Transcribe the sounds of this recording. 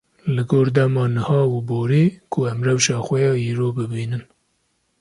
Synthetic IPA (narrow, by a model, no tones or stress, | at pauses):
lɨɡoːɾd̪ɛmɑːnɨhɑːuboːɾeːkʰʊæmrɛwʃɑːxʷɛjɑːiːɾoːbɨbiːnɨn